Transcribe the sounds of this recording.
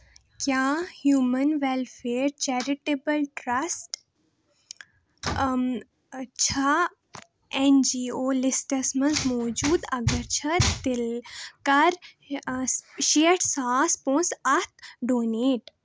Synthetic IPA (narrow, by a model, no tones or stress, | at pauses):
kjaːhjuːmɐnʋelfeːɾt͡ʃɛɾɪʈebəlʈɾɐsʈ | t͡ʃʰa | end͡ʒiːoːlɪsʈɐsmɐ̃nzmɔːd͡ʒuːd̪ɐɡɐɾt͡ʃʰɐt̪ɪlkɐɾ | ʃeːʈsaːspõːnsɐt̪ʰɖoːneːʈ